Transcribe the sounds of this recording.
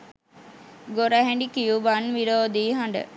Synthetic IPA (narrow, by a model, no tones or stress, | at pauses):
ɡoɾəɦɛɳɖikijuʋanʋiɾoːd̪iːɦaɳɖə̰